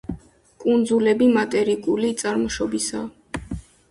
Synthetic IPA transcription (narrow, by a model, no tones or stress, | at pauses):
kʼund̪zulɛbimat̪ʼɛɾikʼulit̪sʼaɾmɔʃɔbisa